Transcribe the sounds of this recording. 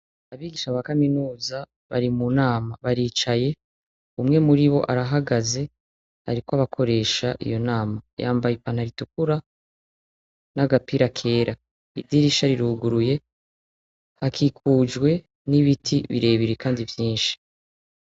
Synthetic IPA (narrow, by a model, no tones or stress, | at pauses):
aβiːɡiʃaβakaminuːza | βaɾimunaːmaβaɾiːt͡ʃaje̞ | umŋe̞muɾiβo̞̰ʔaɾaɦaɡaze̞ | a̰ɾikoaβakʰo̞ɾe̞ːʃaʔḭjo̞naːmaja̰ːmbajipaːn̥aɾituk̚uɾa | naɡapiɾakʰe̞ːɾa | idiɾiʃaɾiɾuɡuɾuje̞ | hakʰikʰuːd͡ʒɡwe̞ | niβitʰiβḭɾe̞ːβiɾekaːndivjiːnʃi̥